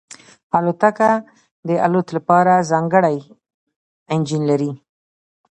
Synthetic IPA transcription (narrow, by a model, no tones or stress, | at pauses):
alot̪aka | d̪əa̰lot̪lapɑɾazɑŋɡəɽaj | ɪnd͡ʒinlaɾi